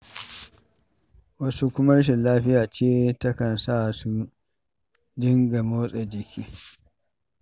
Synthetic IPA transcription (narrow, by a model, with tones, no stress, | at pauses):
wɐ˦su˦kʷʊ˦mɐ˦ɾʃ̬ɪ˨nlaː˦ɸɪ˦jaː˨t͡ʃeː˦tɐ˦kɐ˨nsa˦˨su˦ | d͡ʒɪ˦ŋɡa˨moː˦sʼɛ˨d͡ʒɪ˨kʲiː˦